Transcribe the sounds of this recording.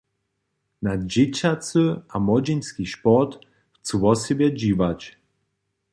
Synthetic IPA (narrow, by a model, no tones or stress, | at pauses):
nad͡ʑet͡ɕat͡sɨamɔd͡ʑenskʲiʃpɔt̪ | ft͡swɔsɛbʲjɛd͡ʑivat͡ɕ